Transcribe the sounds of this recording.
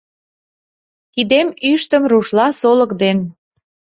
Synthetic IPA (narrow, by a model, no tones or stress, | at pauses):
kid̪emyʃt̪ə̆mruʃlɑsoləkd̪en